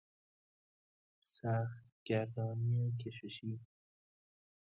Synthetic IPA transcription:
sæxt̪ɡ̥æɾdɑːmiekʰeʃeʃiː

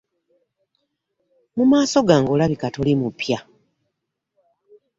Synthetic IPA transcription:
mumaːso̞ɡaːŋɡo̞laβikato̞limupja

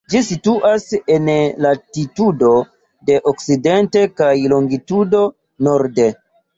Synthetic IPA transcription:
d͡ʒisituʔase̞nlatitudo̞ | de̞ʔokside̞nte̞kajloŋɡitudo̞ | no̞ɾde̞

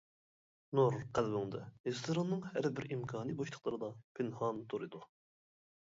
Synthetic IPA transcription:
noɾqʰælbɪŋd̪ɛhest̪ʰoɾɑnːɨŋhæɾbɪɾimkʰɑːnijboʃʰˠə̥qlˠɨɾɨd̪ɑpʰɪnhɑnt̪ʰoɾɨd̪u

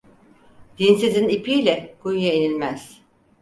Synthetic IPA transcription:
d̪̥insizinipʰiːlʲɛɡ̥ujjainilʲmæz̥

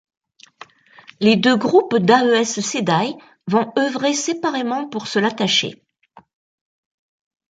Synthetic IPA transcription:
led̪øɡʁupd̪aøɛssed̪aj | vɔ̃œvʁesepaʁemɑ̃puʁsəlat̪aʃḛ

